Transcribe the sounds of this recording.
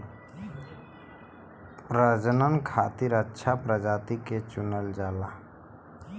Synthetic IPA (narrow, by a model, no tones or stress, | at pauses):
pɾəd͡ʒənənkʰat̪iɾətːʃʰapɾəd͡ʒat̪iket͡ʃunəld͡ʒaːla